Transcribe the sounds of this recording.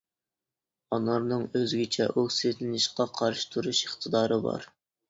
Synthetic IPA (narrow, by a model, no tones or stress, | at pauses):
ɑnɑɾnɨŋøzɡʲit͡ʃʰɛ̰ʔokʲset̪lɪnɪʃqɑqʰɑɾʃɪ̥t̪ʰuɾuʃiχt̪ʰɨd̪ɑːɾɨbɑ̰ɾ